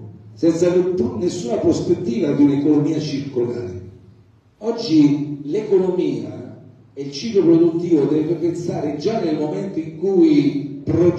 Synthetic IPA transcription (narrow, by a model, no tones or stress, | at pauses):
sɛnt̪savet̪ːunesːuːnapɾospet̪ːiːvad̪iunekonomiːat͡ʃirkolaːɾɪ | ɔd͡ʒːilekonomiːa | eilt͡ʃiːklopɾod̪ut̪ːiːvod̪ɛvepensaːɾɪd͡ʒanːelmomɛnt̪oiŋkuipɾo